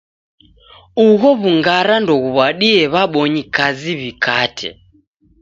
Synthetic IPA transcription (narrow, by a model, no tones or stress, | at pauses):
uɣɔβuŋɡaɾandɔɣuβaɗiɛβaɓɔɲikaziβikʰaːtʰɛ̰